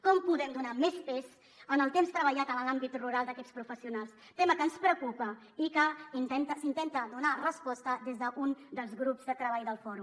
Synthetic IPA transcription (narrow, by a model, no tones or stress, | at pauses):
kɔmpuðɛmd̪unamespɛs | ənəlˠt̪emst̪ɾəβəʎat̪ənəlambit̪ruɾalˠd̪əkɛtspɾufəsiunalˠs | t̪eməkənspɾəkupə | ikəint̪ɛnt̪əsint̪ɛnt̪əðunarəspɔst̪əðezðəʔund̪əlˠzɣɾupzd̪ət̪ɾəβajðəlˠfɔɾum